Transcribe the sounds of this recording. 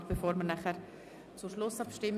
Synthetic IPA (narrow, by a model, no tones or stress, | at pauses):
b̥efoːɾmənæχəɾ | t͡suʃlʊsɑpʃtɪmː